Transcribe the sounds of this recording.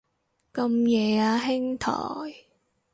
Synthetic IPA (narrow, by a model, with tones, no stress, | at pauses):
kɐ˧mjɛː˨aː˧ɦɪ˥ŋt̪ʰɔ̰ː˨˩j